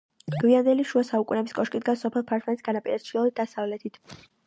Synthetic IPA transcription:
ɡ̥viand̪ɛliʃuasaukʼunɛbiskʼɔʃkʼid̪ɡasɔpʰɛlˠpʰaɾt̪ʰmɛnisɡanapʼiɾɛst͡ʃʰilˠɔlid̪asavlɛt̪ʰit̪ʰ

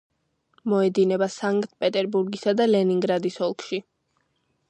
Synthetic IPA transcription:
mɔɛd̪inɛbasaŋkʼt̪ʼpʼɛt̪ʼɛɾbuɾɡisad̪alɛniŋɡɾad̪isɔlˠkʰʃi

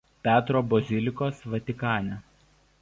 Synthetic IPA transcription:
pʲæːt̪ɾoːbɔzʲɪlʲɪkoːsʋɐt̪ʲɪkɑːnʲɛ

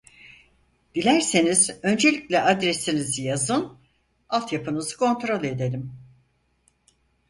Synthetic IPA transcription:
d̪̥ilʲæɾse̞nizø̞nd͡ʒe̞lʲi̥clʲɛʔad̪ɾesinizijazɯn | alˠt̪japʰɯnɯzɯ̥kʰo̞nt̪ɾo̞lʲe̞d̪elʲim

